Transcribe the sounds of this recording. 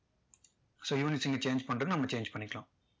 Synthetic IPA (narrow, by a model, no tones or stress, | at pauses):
soːjuːnisiŋɡɐt͡ʃeːɲd͡ʒpɐɳʈɐðinɐmːɐt͡ʃeːɲd͡ʒpɐɳːikːlãː